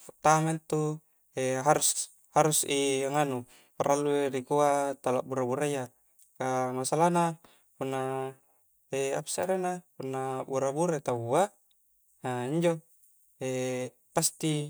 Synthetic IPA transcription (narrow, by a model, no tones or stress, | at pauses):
t̪ament̪u | eɦaɾus | haɾusiaŋanu | paɾalːueɾikuat̪alaʔbuɾabuɾaja | kamasalana | punːa | ea̰psa̰ɾenapunːabuɾabuɾat̪aua | aiɲd͡ʒo | e | past̪i